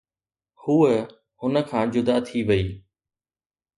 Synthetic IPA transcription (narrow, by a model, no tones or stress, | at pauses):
huːə | ʊnə̆kʰãːd͡ʑʊd̪at̪ʰiʋɐiː